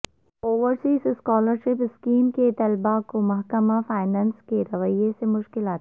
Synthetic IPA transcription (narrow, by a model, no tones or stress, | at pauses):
oːʋəɾsiːsɪskɔːləɾʃɪpɪskiːmket̪ɐlbakomɐɦkəmafaːɪnãːnskeɾɐʋəjesemʊʃkɪlaːt̪